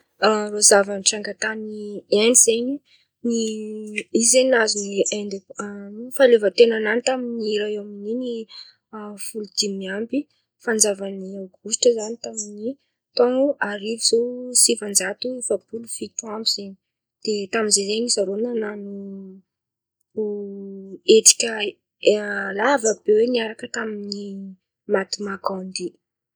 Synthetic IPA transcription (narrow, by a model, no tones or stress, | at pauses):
rozavanʈ͡ʂaŋɡat̪anieniz̥eɲi | ni | izeɲazuniend̪e | falevat̪enananit̪aminiɾaeaminini | fulud̪̥imiambi | fand͡zavaniawɡuʃʈ͡ʂəzanit̪amini | t̪oŋuaɾiviz̥osivand͡zat̪uefapulufituambiz̥eɲi | d̪̥et̪aminzezeŋizaɾonananu | et̪i̥kʲə | lavəbeweniaɾakət̪amini | mat̪imakand̪i